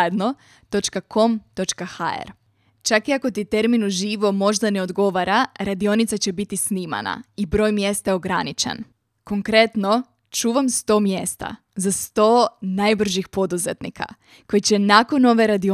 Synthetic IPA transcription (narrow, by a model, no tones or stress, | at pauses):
ed̪no̞ | t̪o̞t͡ʃkakʰo̞mt̪o̞t͡ʃkaxa̰ḛɾ | t͡ʃakiako̞t̪it̪e̞ɾminuʒiːʋo̞mo̞ʒd̪ane̞o̞d̪ɡo̞ʋaɾaɾad̪io̞nit̪sat͡ɕe̞bit̪isniːma̰na̰ibɾo̞jmje̞st̪aeo̞ɡɾanit͡ʃḛn | ko̞ŋkɾe̞t̪no̞ | t͡ʃuːʋamst̪o̞ːmjest̪a̰ | zast̪o̞ːnajbr̩ʒixpo̞d̪uzet̪nḭkʰa̰ | ko̞jit͡ɕe̞nako̞no̞ʋe̞ɾad̪io